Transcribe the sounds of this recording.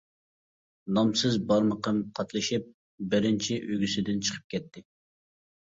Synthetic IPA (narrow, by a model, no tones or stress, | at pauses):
nɑmsɨzbɑɾməqʰəmqʰɑt̪ʰlˠɨʃip̚ | bɪɾɪnt͡ʃʰiʔøɡʲysɪd̪ɪnt͡ʃʰə̥qʰə̥p̚kʲʰɛt̪ʰːɪ